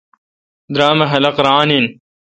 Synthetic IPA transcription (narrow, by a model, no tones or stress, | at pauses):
d̪ɾaːmɐɦɐlɐqɾaːnin